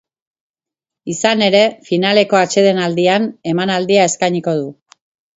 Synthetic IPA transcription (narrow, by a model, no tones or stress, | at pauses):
isane̞ɾe̞finale̞ko̞at͡ʃe̞ð̞enald̪iane̞manald̪iae̞skajɲiko̞ð̞u